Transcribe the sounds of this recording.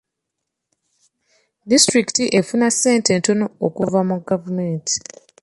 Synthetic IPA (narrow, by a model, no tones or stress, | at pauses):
distɾiki̥tiʔe̞funasːe̞ːntento̞no̞okuvamuɡavumeːnti̥